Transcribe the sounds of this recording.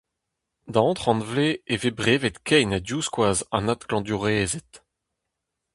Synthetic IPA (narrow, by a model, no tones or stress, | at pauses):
d̪ɑ̃ːt̪χɑ̃nvleevebʁeːvet̪kʰɛjnad̪juːskwaːza̰nat̪klɑ̃d̪yʁeːzet̪